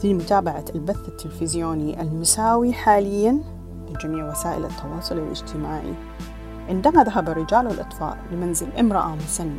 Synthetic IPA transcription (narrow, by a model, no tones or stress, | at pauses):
fimʊt̪aːbaʕaalbaθːat̪ːɪlfɪzjoːniʔalmʊsaːwiħaːlɪjːan | bɪd͡ʒamiːʕwasaːʔɪ̰lʔɑ̰t̪ːɑwɑːsˤʊliwlʔɪ̰d͡ʒt̪ʰɪmaːʕḭ | ʕɪnd̪amaðaɦabarːɪd͡ʒaːlwɪlʔɑt̪ˤfɑ̰ːʔbɪmanzɪlʔɪmɾɑʔamʊsanːa